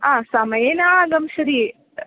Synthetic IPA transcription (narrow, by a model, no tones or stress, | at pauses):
aːsamɐjenaɡɐmʃɐɾi